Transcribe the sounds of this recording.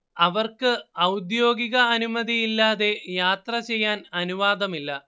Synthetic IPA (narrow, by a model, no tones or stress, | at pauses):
ɐʋɐrkɨɐwd̪jo̞ːɡiɣɐɐnumɐd̪ijilːaːðe̞jaːt̪rɐt͡ɕe̞jːaːnɐnuʋaːd̪ɐmilːɐ